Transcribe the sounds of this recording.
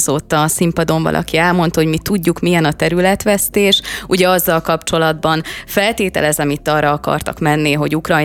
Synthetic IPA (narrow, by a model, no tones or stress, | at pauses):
zoːt̪ːɒsimpɒd̪o̞ɱvɒ̰lʔɒ̰kiɛlmo̞nt̪ho̞ɟmit̪uɟːukmijɛnɒt̪ɛɾylɛt̪ʋɛst̪eːʃuɟɛɒzːɒlkɒpt͡ʃo̞lɒd̪bɒnfɛlt̪eːt̪ɛ̰lɛzɛmit̪ːɒːrɒɒkɒ̰rt̪ɒ̰kmɛnːiɦo̞ɟukrɒj